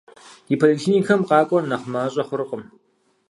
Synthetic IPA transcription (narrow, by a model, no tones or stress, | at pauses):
ipʰolikɬʰiːniːkʰɐmqɑːkʷʼɔnɐχʷmaːɕʼɐχʷʊɾɨqʼəm